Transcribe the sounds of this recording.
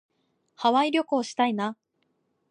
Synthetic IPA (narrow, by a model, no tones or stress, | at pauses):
haβaiɾʲo̞koːɕi̥t̪aina